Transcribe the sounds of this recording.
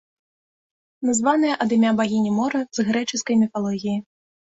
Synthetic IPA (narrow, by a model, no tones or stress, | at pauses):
nazvanɨjɛʔɐd̪imʲabaɣʲinʲimɔɾɐzɣɾɛt͡ʂɨskɐjmʲifalˠɔɣʲiji